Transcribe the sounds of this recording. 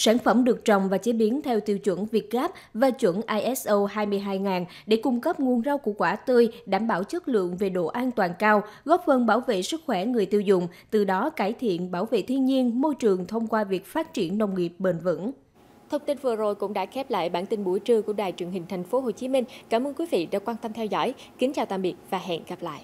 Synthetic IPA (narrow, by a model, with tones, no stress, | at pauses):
saː˧˩nfə˧˩mɗɨ˨˩ək̚t͡ɕɔ̰˨wŋ͡mvaː˨˩t͡ɕe˨˦ɓi˨˦ənt̪ʰɛ˧wt̪i˧əwt͡ɕwə̰˧˩nvi˨˩ət̚ɣaː˦˥p̚vaː˨˩t͡ɕwə̰˧˩nʔaː˧jʔɛ˦˥sʔo˧ɦaː˧jmɨ˧əjɦaː˧jŋaː˨˩n | ɗe˧˩kʊ˧ŋ͡mkə˦˥p̚ŋu˧ənzaː˧wkṵ˧˩əkwaː˧˩t̪ɨ˧jɗaː˧˩mɓaː˧˩wt͡ɕə˦˥t̚lɨ̰˧˨əŋve˨˩ɗo̰˧˨ʔaː˧nt̪waː˨˩nkaː˧wɣɔ˦˥p̚fə˧˩nɓaː˧˩wvḛ˧˨sɨ˦˥k̚xwɛ˧˩ŋɨ˨˩əjt̪i˧wzʊ̰˧˨ŋ͡mt̪ɨ˨˩ɗɔ˨˦kaː˧˩jt̪ʰḭ˧˨ənɓaː˧˩wvḛ˧˨t̪ʰi˧ənɲi˧ənmo˧jt͡ɕɨ˨˩əŋt̪ʰə˧wŋ͡mkwaː˧vi˨˩ək̚faː˦˥t̚t͡ɕi˧˩ənːə˧wŋ͡mŋi˨˩əp̚ɓe˨˩nvə̰˧˥n | t̪ʰə˧wŋ͡mt̪i˧nvɨ˨˩əzo˨˩jkʊ̰˧˥ŋ͡mɗa̰ː˧˥xɛ˦˥p̚la̰ː˧˨jɓaː˧˩nt̪ï˧nɓu˧˩jt͡ɕɨ˧ku˧˩əɗaː˨˩jt͡ɕwi˨˩əŋɦï˨˩ŋ̟t̪ʰɛ˨˩jŋ̟fo˨˦ɦo˨˩t͡ɕi˨˦mï˧ŋ̟kaː˧˩mʔəː˧nkwi˨˦vḭ˧˨ɗa̰ː˧˥kwaː˧nt̪ə˧mt̪ʰɛ˧wzɔ̰˧˥˨j | kï˨˦ŋ̟t͡ɕaː˨˩wt̪aː˧˨mɓi˨˩ət̚vaː˨˩ɦɛ̰˧˨nɣa˨˩p̚la̰ː˧˨jʔ